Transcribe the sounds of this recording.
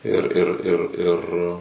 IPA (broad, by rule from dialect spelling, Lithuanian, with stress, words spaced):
ɪr ɪr ɪr ɪr